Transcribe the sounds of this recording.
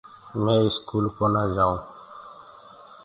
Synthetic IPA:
mẽːɪskuːlkɔnad͡ʒaːõ

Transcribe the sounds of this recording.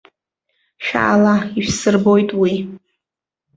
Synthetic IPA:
ʃᶣa̰ʔːlaiʃsɨrbo̞jtʼwi

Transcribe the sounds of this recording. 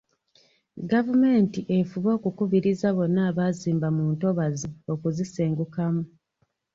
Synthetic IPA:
ɡavume̞ːntiʔe̞fuβo̞ːkukuβiɾizaβo̞nːaːβaːziːmbamuːnto̞βazio̞kuziseːŋɡukamu

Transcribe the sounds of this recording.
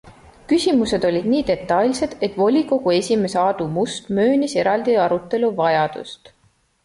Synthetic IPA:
kysʲimuse̞d̪̥o̞lʲid̪̥niːd̪e̞t̪ːˑɑjlʲse̞d̪̥e̞t̪ˑvo̞lʲiko̞ɡ̥ue̞sʲime̞seɑd̪̥umust̪mø̞ːnise̞ɾɑld̪̥iɑɾut̪ːˑe̞luvɑjɑd̪̥ṵst̪

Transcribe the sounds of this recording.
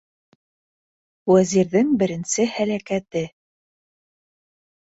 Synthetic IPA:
wæziɾðɘŋbɘ̆ɾɘ̆nsɘhælækæt̪ɘ

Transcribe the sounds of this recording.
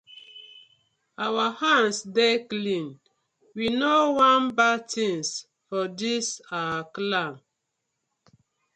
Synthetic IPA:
awahãnsdeklĩn | winowanbatĩns | fɔdisaklãm

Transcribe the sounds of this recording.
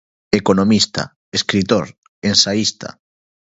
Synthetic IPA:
ekonomist̪a̰ | eskɾit̪oɾ | ensaist̪a̰

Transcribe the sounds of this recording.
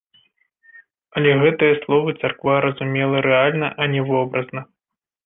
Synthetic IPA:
ɐlʲɛɣɛt̪ɨjɐslˠɔvɨt̪sɐrkvaɾɐzumʲɛlˠɐɾɛalʲnɐʔɐnʲɛvɔbɾɐznɐ

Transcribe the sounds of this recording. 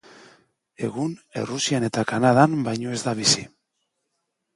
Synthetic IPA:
e̞̰ɣune̞̰rusiane̞t̪akanaðambajɲo̞e̞zd̪aβ̞isi

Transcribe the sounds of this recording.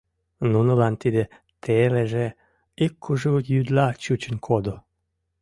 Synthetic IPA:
nunəlɑnt̪id̪e | t̪ʰeleʒe | ikʰːuʒujyd̪lɑt͡ɕut͡ɕənkʰod̪o

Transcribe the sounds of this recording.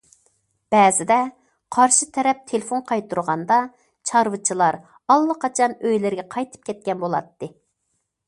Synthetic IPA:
b̥ɛːzɪd̪ɛ | qʰɑɾʃit̪ʰɛɾɛp̚t̪ʰelɪfonqʰɑjt̪ʰuɾʁɑnd̪ɑ | t͡ʃʰɑɾwɨt͡ʃʰilˠɑɾ | ɑlˠːəqɑt͡ʃʰɑnøjlɪɾɡʲɛqʰɑjt̪ʰɨ̥p̚kʲʰɛt̪̚kʲɛnbolˠɑ̰t̪ːɨ

